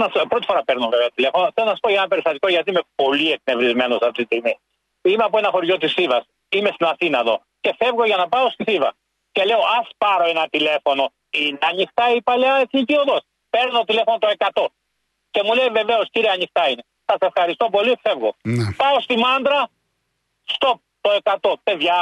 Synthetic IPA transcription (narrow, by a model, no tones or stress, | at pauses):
nɐopɾo̞t̪i̥fo̞ɾɐpeɾnoveveɐt̪ile̞fonoθelonɐsi̥poʝɐenɐpe̞ɾist̪ɐt̪iko̞ʝɐt̪iime̞po̞lie̞knevɾizme̞no̞sɐft̪it̪istiɣmi | imeɐpoenɐxo̞ɾʝo̞t̪isivɐs | imest̪inɐθinɐeðo̞̰ | ce̞fe̞vɣo̞ʝɐnɐpɐo̞st̪isivɐ̰ | ce̞le̞oʔɐspɐɾo̞e̞nɐt̪ile̞fo̞no̞ | inɐɲixt̪ɐipɐʎɐesɲicioðos | pe̞ɾnot̪ile̞fo̞not̪oe̞kɐt̪o̞ | ce̞mule̞jve̞ve̞osciɾieɐɲixt̪ɐine̞ | sɐsefxɐɾist̪opo̞life̞vɣo̞npɐost̪imɐnd̪ɾɐ | st̪op̚ | t̪o̞e̞kɐt̪o̞pe̞ðʝɐ